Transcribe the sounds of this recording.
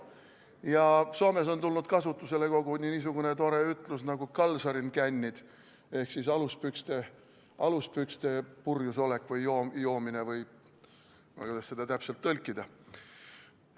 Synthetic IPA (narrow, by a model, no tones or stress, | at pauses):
jɑso̞ːme̞s̬o̞nt̪ulnud̪̥kɑsut̪ːˑuse̞le̞ko̞ɡ̥uniniːs̬uɡ̥une̞t̪o̞ɾe̞yt̪ˑlusnɑɡ̥ukɑlsɑɾinkænʲːid̪̥ | e̞hksisɑluspykst̪e̞ | ʔɑluspykst̪e̞purjuso̞le̞kːˑvɤjjoːjo̞ːmine̞vɤj | m̰kud̥̪ɑsse̞d̪̥ɑt̪æpse̞lt̪ːɤlʲkːˑid̪ɑ